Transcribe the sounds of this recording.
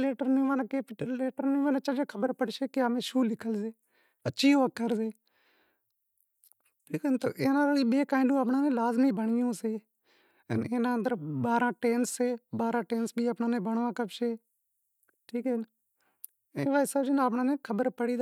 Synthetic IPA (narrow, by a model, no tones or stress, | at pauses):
leːʈəɾnĩːʋaːnːkeːpleːʈəɾnĩːʋaːneːt͡ʃad͡ʒeːkʰəbəɾpəɽʃeːkɪamẽːʃuːlɪkʰəlzeː | əːʃʰiːoʋəkːəɾzeː | ʈʰiːkːnt̪o̰ːʔeːnãːɾoːiːɓeːkaːɪ̃ɳɖũːəpnaːnẽːlaːzmiːbəɳɪjõːseː | ə̰neːnãːnd̪əɾbaːɾãːʈeːnseːbaːɾãːʈeːnsbʱiːəpnãːnẽːbəɳʋãːkəbʃeː | ʈʰiːkɛn | eːʋaːɪsəːd͡ʒɪnapɳãːnẽːkʰəbəɾpəɽiːd̪